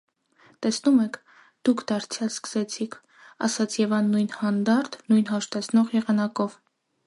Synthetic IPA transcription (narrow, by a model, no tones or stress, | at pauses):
t̪ɛsnumɛkʰ | d̪̥ukʰd̪̥ɑɾt͡sʰjɑlskə̥sɛt͡sʰikʰ | ɑ̰sɑt͡sʰjɛvɑnːujnhɑnd̪ɑɾt̪ʰnujnɦɑʃt̪ɛt͡sʰnɔʁjɛʁɑnɑkɔv